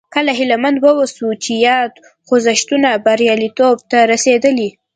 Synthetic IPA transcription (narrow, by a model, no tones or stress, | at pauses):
kəlaɦɪlamand̪wəwasut͡ʃejɑd̪ | xozaʃt̪unabaɾjɑlit̪ob̚t̪aɾased̪əli